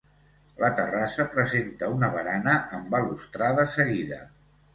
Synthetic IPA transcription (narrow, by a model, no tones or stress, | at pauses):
lət̪ərasəpɾəzent̪əunəβəɾanəəmbəlust̪ɾaðəsəɣiðə̰